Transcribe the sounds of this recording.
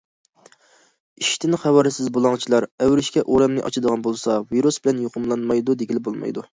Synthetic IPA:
iʃt̪ɪnχɛwɑɾɪsɪzbolˠɑŋt͡ʃʰilˠɑɾɛwɾɪʃkʲɛʔoɾɛmnɪʔɑ̰t͡ʃʰid̪əʁɑnbolˠsɑviɾusbɪlɛnjoqʰʊmlˠɑnmɑjd̪ud̪eɡʲilɪbolˠmɑ̰jd̪u

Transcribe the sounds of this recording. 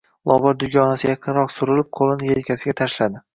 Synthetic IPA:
lˠɒvɒɾd̪ʊɡʲɒnasɪjɑqʰɨnɾɒqsʊɾɪlɪp̚qʰolˠɪnɪjelkʲʰasɪɡʲat̪ʰaʃlad̪ɪ

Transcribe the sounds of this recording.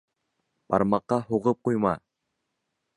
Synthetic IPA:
b̥ɑ̰ɾmɑqːɑɦuʁɤp̚qujmɑ

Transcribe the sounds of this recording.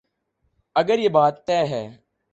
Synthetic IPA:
əɡəɾjeːbaːt̪ːɛːɦɛː

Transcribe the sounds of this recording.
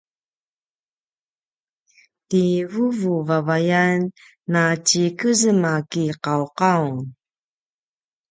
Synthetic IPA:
tivuvuvavajanː | at͡ɕikəzəmakiqawqawnn

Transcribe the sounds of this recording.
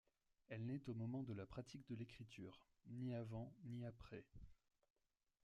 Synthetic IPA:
ɛlnɛt̪omɔmɑ̃d̪əlapχat̪ik̚d̪əlekχit̪yːʁ | niavɑ̃niapχɛ

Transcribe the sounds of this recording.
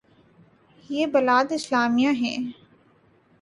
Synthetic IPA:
jeːbɐlaːd̪ɪslaːmijãɦɛ̰̃ː

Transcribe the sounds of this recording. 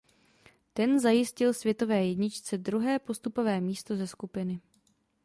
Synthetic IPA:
t̪ɛnzajɪscɪlsvjɛt̪o̞vɛːjɛdɲɪt͡ʃt͡sɛd̪ɾuɦɛːpo̞st̪upo̞vɛːmiːst̪o̞zɛskupɪnɪ

